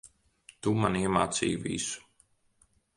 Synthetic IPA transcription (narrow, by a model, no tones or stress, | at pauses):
t̪umaniɛma̰ːt̪sḭːjvḭsu̥